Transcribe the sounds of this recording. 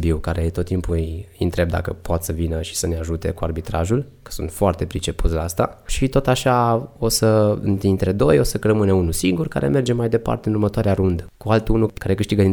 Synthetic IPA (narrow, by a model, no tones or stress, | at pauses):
biwkaɾe̞t̪o̞t̪ːimpuɨjint̪ɾe̞b̚d̪a̰kəpoat̪səvinəʃi̥səneaʒut̪e̞̰kuarbit̪ɾaʒul | kə̥sṵnt̪foart̪e̞pɾit͡ʃe̞put̪slaast̪aʃit̪o̞t̪aʃao̞səɨ̰nt̪int̪ɾed̪o̞jo̞sərəmɨnəunusiŋɡurka̰ɾe̞me̞rd͡ʒe̞majd̪e̞pa̰rt̪eɨnurmət̪oaɾeaɾund̪əkualt̪unukaɾe̞kɨʃt̪iɡəin